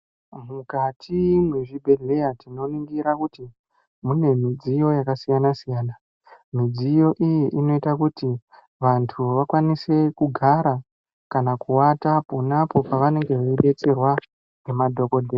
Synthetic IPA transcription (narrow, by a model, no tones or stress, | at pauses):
mukatʰimweʐibʱe̞ɮe̞jatino̞niŋɡiɾakuti | mune̞mid͡zijo̞jakasijanasijaːna | mid͡zijo̞ʔijiʔino̞itakuti | ʋantʰuʋakwanise̞kuɡʱaɾa | kanakuwatapo̞napo̞paʋane̞ŋɡe̞ʋoeɗe̞t͡se̞rwa | nemadʱo̞ko̞dʱe